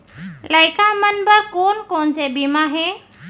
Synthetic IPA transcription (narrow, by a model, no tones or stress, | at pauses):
ləɪkamənbəkoːnkoːnsebimaɦeː